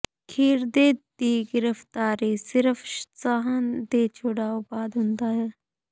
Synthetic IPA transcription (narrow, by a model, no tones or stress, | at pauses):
kʰiːɾd̪eːt̪iːɡɪɾəft̪aːɾisɪɾəfsaɦənd̪eːt͡ʃʰoɽaːobaːd̪ɦʊ̃nd̪aːɦɛː